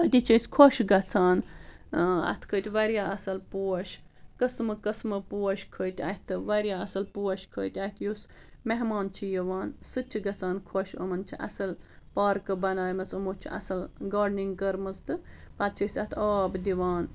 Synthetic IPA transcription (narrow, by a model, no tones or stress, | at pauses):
ɐt̪ʲit͡ʃʰəsʲkʰoʃɡɐt͡sʰaːn | ɐ̰t̪ʰkʰət̪ʲʋɐɾjaːɐsɐlpuɐʃ | kəsmɨkɐsmɨpuːɐʃkʰəːt̪ʲɐht̪ɨʋɐɾʲjaːɐsɨlpuːɐʃkʰəːjt̪ʲɐht̪ʰjus | meɦmaːnt͡ʃʰijɐʋaːnsɨt͡ʃʰiɡɐt͡sʰaːnkʰoʃɐ̰mɐnt͡ʃʰiʔɐ̰sɐl | paːɾkɨbɐnaːjmɐsɨmoːt͡ʃʰḭɐ̰sɨlɡaːɖniŋɡkɐɾmɨst̪ɨpɐt̪̚t͡ʃʰəsʲɐt̪ʰaːbd̪iʋaːn